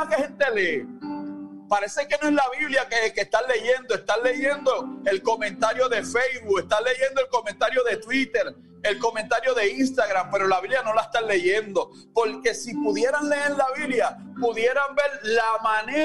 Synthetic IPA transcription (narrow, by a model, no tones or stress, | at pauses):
akehe̞nt̪e̞leː | paɾe̞seke̞noezlaβiβljakekest̪ale̞ʝe̞nd̪oe̞st̪anlːe̞ʝe̞nd̪o̞e̞lko̞mẽ̞nt̪aɾjo̞ðe̞fejzβukest̪alːe̞ʝe̞nd̪oelko̞mẽnt̪aɾjo̞ðe̞t̪wit̪e̞ɾ | elko̞mẽnt̪aɾjo̞ðe̞inst̪aɣɾampe̞ɾo̞laβiβljano̞laest̪anle̞ʝend̪o̞ | po̞ɾke̞sipuðje̞ɾanle̞eɾlaβiβlja | puðje̞ɾambe̞ɾlamãne